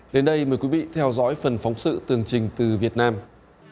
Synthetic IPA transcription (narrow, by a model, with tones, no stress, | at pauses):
ɗe˨˦nɗə˧jməː˨˩jkwi˨˦vḭ˧˨t̪ʰɛ˧wzɔ̰ː˧˥jfə˨˩nfa˨˦wŋ͡msɨ̰˧˨t̪ɨ˨˩əŋt͡ɕï˨˩ŋ̟t̪ɨ˨˩vi˨˩ət̚naː˧m